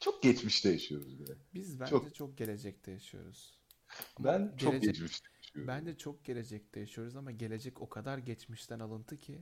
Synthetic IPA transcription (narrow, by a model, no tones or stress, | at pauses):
t͡ʃʰok̚ɟ̥ɛt͡ʃmiʃd̪ejaʃijo̞ɾuzbeɾɛbizbænd̪ɛt͡ʃʰo̞k̚ɟe̞lʲe̞d͡ʒɛc̚d̪ʰejaʃɯjo̰ɾuz̥ | abænɟt͡ʃʰeoked͡ʒɟɛt͡ʃmiʃd̪ejaʃijoɾbænd̪ɛt͡ʃʰo̞k̚ɟe̞lʲe̞d͡ʒɛc̚d̪̥ejaʃɯjo̞ɾuzamaɟe̞lʲed͡ʒɛco̞kʰad̪aɾɟɛt͡ʃmiʃt̪ʰænalˠɯnt̪ʰɯcʰɪ